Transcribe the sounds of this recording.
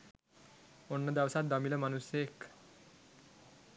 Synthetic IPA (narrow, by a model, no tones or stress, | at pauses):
onːəd̪jaʋsat̪̚d̪amiləmanusjek